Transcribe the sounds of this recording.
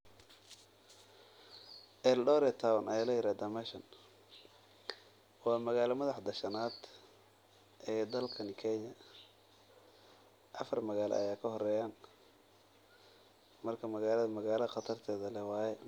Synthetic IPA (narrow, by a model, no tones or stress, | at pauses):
ʔɛldɔːɾɛt̪ʰawɐnʔɐjalɐjɪɾaːd̪ɐmɛʃɐn | wɑːmɐɣaːlɐmɐðɑħd̪ɐʃɐnaːd̪ | ʔɛːd̪ɐlkʰɐnkʰɛnjɐ | ʔɐfɐrmɐɣaːl̰ʔɐ̰jaːkʰɐɦɔrɛːjaːn | mɐrkʰɐmɐɣaːlɐðɐmɐɣaːlɐɐqɑt̪ʰɐrt̪ʰɛːðɐlɛwɑːjɛ